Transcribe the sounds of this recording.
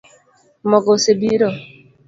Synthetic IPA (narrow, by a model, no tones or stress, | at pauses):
mɔɡɔsebiɾɔ